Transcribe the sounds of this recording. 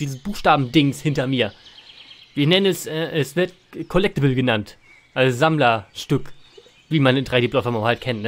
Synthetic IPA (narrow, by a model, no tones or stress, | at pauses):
d̥iːzəsb̥uːxʃtaːbm̩dɪŋshɪntɐmiːɐ | viːɐnɛnənɛsʔɛːʔɛsv̥ɪɐt | kʰɔlɛk̚təbl̩ɡənant | ʔalzz̥amlɐʃtʏk | viːmanɪndʁaɪdeːblɔtfɐmahalt̚kʰɛntnə